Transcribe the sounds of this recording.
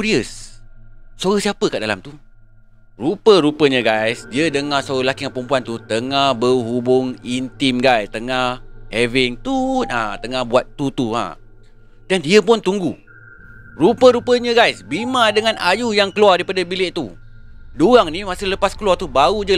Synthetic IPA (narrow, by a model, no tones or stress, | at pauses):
ɾiəs | soɣəhsiapəkaʔdala̰mt̪u | rupəɾupəɲə̃ɡajsdiədəŋahsoɣəlakiŋãpəmpuant̪ut̪əŋahbəɦubʊŋint̪ɪmɡajst̪əŋahhɛvɪŋt̪unat̪əŋahbuat̪ːut̪uã̰ | dandiəpʊnt̪uŋɡu | rupəɾupəɲə̃ɡajsbimãdəŋãna̰jujaŋkəluardaipadabilɪʔt̪u | doaŋnimasɪhləpaskəluart̪ubaud͡ʒə